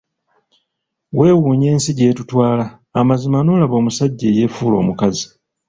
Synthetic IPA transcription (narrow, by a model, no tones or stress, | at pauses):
we̞ːwuːɲe̞ːnsiɟe̞ːtutwaːlaː | mazimanoːlaβo̞ːmusaɟːe̞ːje̞fuːlo̞̰ːmukazi̥